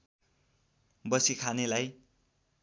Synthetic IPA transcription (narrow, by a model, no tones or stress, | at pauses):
bʌsikʰanelaj